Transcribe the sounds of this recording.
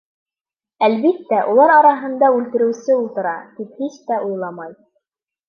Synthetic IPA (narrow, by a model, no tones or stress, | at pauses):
ælβit̪ːæʔulˠɑɾɑɾɑɦɤ̆nd̪ɑʉlt̪ɘ̆ɾɘ̆wsɘulˠt̪ɤ̆ɾɑt̪iphiʃt̪æʔujlˠɑmɑj